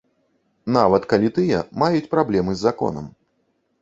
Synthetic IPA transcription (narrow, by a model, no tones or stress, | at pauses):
navɐt̪kalʲit̪ɨjɛmajut͡sʲpɾablʲɛmɨzːakɔ̰nɐ̰m